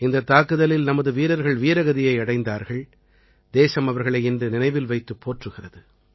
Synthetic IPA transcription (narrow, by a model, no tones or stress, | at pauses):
ɪnd̪ɐt̪aːkɯðɐlɪlnɐmɐðɯʋiːɾɐɾɣɐɭʋiːɾɐɣɐðɪjɐɪɐɽɐɪnd̪aːɾɣɐɭ | d̪eːsɐmɐʋɐɾɣɐɭɐɪɪndrɯnɪnɐɪʋɪlʋɐɪt̪ːɯpːoːʈrɯɣɪrɐðɯ